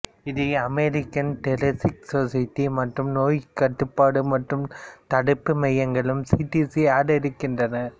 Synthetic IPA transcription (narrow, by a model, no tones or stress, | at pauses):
ɪðɯɐmɛɾɪkːɐnʈɛlɐsɪk̚soːsɐjʈ̪ːimɐʈrɯmnoːjkːɐʈːɯpːaːɽɯmɐʈrɯmt̪ɐɽɯpːɯmɛjɐŋɡɐɭɯmsiːʈisiaːɽɐɪɾɯkːɪndrɐnɐ